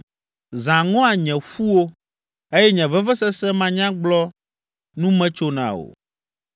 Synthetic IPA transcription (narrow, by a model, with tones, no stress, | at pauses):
zã˨ŋɔ̃˦a˨ɲɛ̃˨ɸu˦wo˦ | e˦jɛ˦ɲɛ̃˨vɛ˦vɛ˦sɛ˦sɛ̃˦mã˨ɲã˦ɡ͡blɔ˦ | nũ˦mɛ̃˦t͡ʃo˦nã̰˨o̰˨